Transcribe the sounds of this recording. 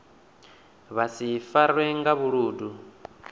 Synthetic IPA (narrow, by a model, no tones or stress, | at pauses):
βasifaɾwɛŋɡaβuɺuːdu